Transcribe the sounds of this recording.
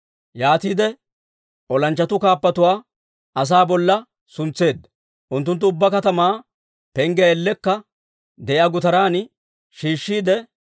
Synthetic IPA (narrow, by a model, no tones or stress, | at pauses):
jaːt̪iːd̪ɛ | ɔlɐnt͡ʃːɐt̪ʊkaːpːɐt̪ʊwaː | ʔɐs̬aːbɔlːɐ | sʊnt͡sːe̞ːd̪ːɐ | ʔʊnt̪ːʊnt̪ːʊʊbːɐkɐt̪ɐmaː | pɛŋɡɛɛlːɛkːɐ | d̪ɛʔɪɐɡʊt̪ɐɾaːn | ʃiːʃːiːd̪ɛ